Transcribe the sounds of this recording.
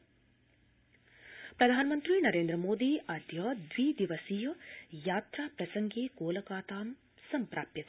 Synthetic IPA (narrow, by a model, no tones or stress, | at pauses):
pɾɐd̪ʱaːnɐmɐnt̪ɾiːnɐɾeːnd̪ɾɐmoːd̪iːʔɐd̪jɐd̪ʋiːd̪iʋɐsijɐjaːt̪ɾaːpɾɐsɐŋɡeːkoːlɐkaːt̪aːm | sɐmpɾaːpjɐt̪